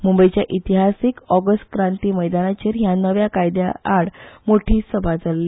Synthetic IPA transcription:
mumbəjt͡ɕjaʔit̪iɦasikɔɡəsʈ̚kɾãnt̪iːməjd̪anat͡ɕeɾɦjanəʋjakajd̪ja̰aɽmoʈʰiːsəbʱad͡zalːi

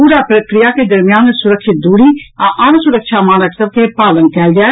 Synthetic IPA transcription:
puːɾapɾəkɾijaked̪ɐɾmijaːnsʊɾəkʃɪt̪̚d̪uːɽiaʔɐnsʊɾəkʃamaːnəksəbk̪epaːlənkɛːld͡ʒaː

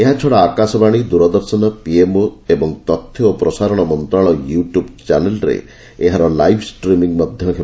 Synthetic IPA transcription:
eɦat͡ʃʰɔɽaːkasɔbaɽ̃id̪uɾɔd̪ɔɾsɔnɔpiemoebɔŋt̪ɔt̪ʰːjoopɾɔsaɾɔɽ̃ɔmɔnt̪ɾaɭɔjuʈjubt͡ʃanelɾḛ | eɦaɾɔlajbʰsʈɾimiŋmɔd̪ʱjɔkʰe

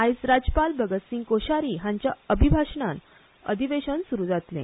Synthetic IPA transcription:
ajsɾad͡ʑpalbəɡət̪sĩŋɡkoɕaɾiːɦãɲt͡ɕjaəbʱibʱaɕnãn | ə̰d̪ʱiʋeɕənsuɾud͡zat̪lḛ̃

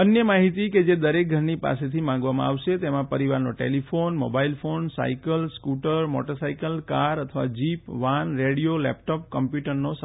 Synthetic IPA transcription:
ənjəmaɦit̪iked͡ʒed̪əɾek̚ɡʱəɾnipa̰set̪ʰimãŋɡʋamã̰aʋʃet̪emãpəɾiʋaɾnoʈḛlifʰonmo̰bailfonsa̰ikəlskuʈəɾmɔ̰ʈosaikəlkaɾət̪ʰəʋa̰d͡ʒipʋanɾeɽijolɛ̰pʈɔp̚kəmpjuʈəɾnos

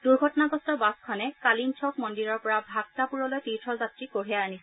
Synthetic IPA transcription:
duɹɡʱɔtɔnaɡɔstɔbaskʰanɛkalint͡ʃʰɔkmɔndiɹɔɹpɔɹabʱak̚tapuɹɔlojpitʰɹɔzatɹikoɹiajanisɛ

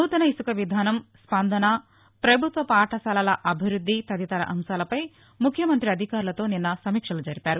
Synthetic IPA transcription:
uːt̪ɐnɐisukɐʋid̪ʱaːnɐmspɐnd̪ʱɐnɐ | pɾɐbʱut̪ʋɐpaːʈʰɐsɐlɐlɐʔɐbʱiɾud̪ʱːit̪ɐd̪it̪ɐɾɐ̰ʔɐmʃaːlɐpɐj | mukʰːjɐmɐnt̪ɾiɐd̪ʱikaːɾulɐt̪o̞ːninːɐsɐmiːkʂɐlud͡ʒɐɾipaːɾu

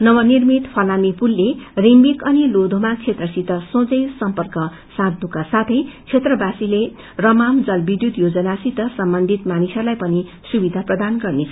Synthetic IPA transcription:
nʌwʌnirmit̪pʰʌlamipulːerimbikʌnilod̪ʱomat͡sʰet̪rʌsit̪ʌsõd͡zʌjsʌmpʌrkʌ | sãd̪̚ʱnukasat̪ʰʌjt͡sʰet̪rʌbasile | rʌmamd͡zʌlbid̪jud̪jod͡zʌnasit̪ʌsʌmbʌnd̪ʱit̪manisʌlajpʌni | subid̪ʱaprʌd̪anɡʌrnet͡sʰʌ

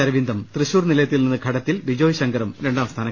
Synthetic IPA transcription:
ɐɾɐʋind̪ʱɐmt̪rɨɕuːrnilɐjɐt̪ːilninːɨɡʱɐɽɐt̪ːilʋid͡ʑoːjɕɐŋɡɐɾɐmɾe̞ɳɖaːmst̪ʰaːnɐ

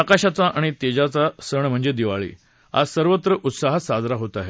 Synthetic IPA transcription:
akaɕat͡saʔaɽ̃it̪ed͡ʑat͡sasəɳm̤əɳd͡zed̪iʋaɭḭː | a̰səɾʋət̪ɾəʔut̪saɦasad͡zɾaɦot̪aɦe

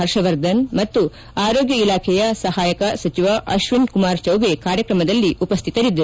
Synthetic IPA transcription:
ɦɐɾʃɐʋɐɾd̪ɐnmɐt̪ːu | aːɾoːɡjɐilaːkʰɛjɐsɐɦaːjɐkɐsɐt͡ʃiʋɐʔɐʃʋinkumaːɾt͡ʃɐwbekaːɾjɐkɾɐmɐd̪ɐlːiʔupɐst̪ʰit̪ɐɾid̪ːɐɾu

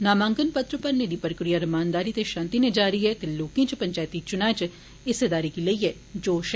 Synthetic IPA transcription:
naːmãːŋɡənpət̪ɾəpəɾned̪iːpɾəkɾijaːɾəmaːnd̪aːɾiːt̪eʃãːnt̪inẽd͡ʒaːɾiːɦɛt̪eloːkẽt͡ʃpəɲt͡ʃaːjt̪it͡ʃʊnaːt͡ʃ | ɪsed̪aːɾikiləiɦɛː | d͡ʒoːʃ

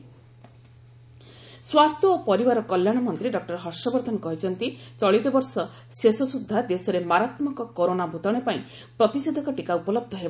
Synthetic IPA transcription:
swast̪ʰjɔopɔɾibaɾɔkɔljaɽ̃ɔmɔnt̪ɾiɖɔk̚ʈɔɾɦɔsɔbɔɾd̪ʱɔnɔkɔɦit͡ʃʰɔnt̪it͡ʃɔɭit̪ɔbɔɾsɔ | sesɔsud̪ʱːad̪esɔɾemaɾat̪mɔkɔkoɾonabʱut̪ɔɽ̃epaĩ | pɾɔt̪ised̪ʱɔkɔʈikaupɔlɔb̚d̪ʱɔɦeba

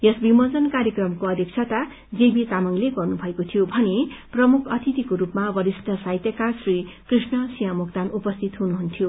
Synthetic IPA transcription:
jʌsbimʌd͡zʌnkaɾjekrʌmkoʌd̪jek̚t͡sʰat̪a | d͡zebit̪amʌŋleɡʌrnubʱʌekot̪ʰijobʱʌneprʌmukʰʌt̪ʰit̪ikoɾupmabʌɾisʈʰʌsajt̪jʌkasrikrisnʌsijɦʌ̃mukt̪anupʌst̪ʰit̪ɦunuɦunt̪ʰijo

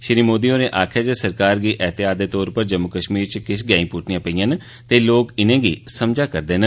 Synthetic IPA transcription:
ʃɪɾiːmoːd̪iːõːneːʔaːkʰjaːd͡ʒesəɾkaːɾɡiːʔɛːt̪ɪjaːd̪eːt̪ɔːɾpəɾd͡ʒəmːʊkəʃmiːɾt͡ʃəkɪʃɡɛːĩːpuːʈʰnijãːpəijãːn | t̪eːloːkɪnẽːɡḭːsəmd͡ʒaːkəɾd̪eːnə

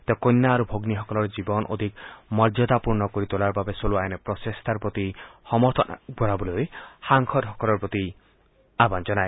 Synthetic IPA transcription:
t̪ekojnːaːɾubʱoɡniɦɔkɔlɔɾd͡ʒibɔnʔo̰d̪ʱikmɔɾd͡ʒɔt̪apuɾnɔkoɾit̪olaɾbabesoluajnepɾɔsest̪ʰaɾpot̪ihɔmɔɾt̪ʰɔ̰ɡɔɾabɔlojhaŋkʰɔd̪ɦɔkɔlɔɾpɾot̪i | aband͡ʒɔnaj

